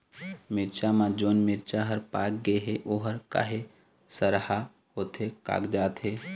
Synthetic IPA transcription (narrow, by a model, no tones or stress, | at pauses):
mɪɾt͡ʃamãd͡ʒoːnmɪɾt͡ʃaɦəɾpaːk̚ɡeɦeʔoːɦəɾka̰ːɦe | səɾha | ɦoːt̪ɦeka̰ːkd͡ʒaːt̪ɦeː